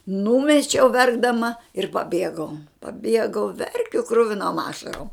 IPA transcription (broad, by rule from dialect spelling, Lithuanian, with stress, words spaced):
ˈnuːmʲɛt͡ʃʲɛʊ ˈʋʲɛrɡdɐmɐ ɪr pɐˈbʲiɛɡɐʊ pɐˈbʲiɛɡɐʊ ˈʋʲɛrʲkʲʊ ˈkrʊʋʲɪnoːm ˈɑːʃɐroːm